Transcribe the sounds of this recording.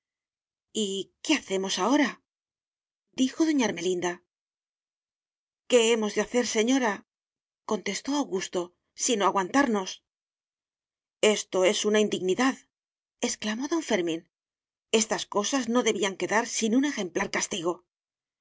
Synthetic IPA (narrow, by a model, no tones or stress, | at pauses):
ike̞aθe̞mo̞sao̞ɾa | d̪ixo̞ðo̞ɲaɾme̞lind̪a | ke̞emo̞zðe̞aθe̞ɾse̞ɲo̞ɾa | ko̞nt̪e̞st̪o̞awɣust̪o̞ | sino̞aɣwant̪aɾno̞s | e̞st̪o̞e̞sunaind̪iɣniðað | e̞sklamo̞ðo̞ɱfe̞ɾmĩn | e̞st̪asko̞sazno̞ðe̞βiaŋke̞ðaɾsinune̞xe̞mplaɾkast̪iɣo̞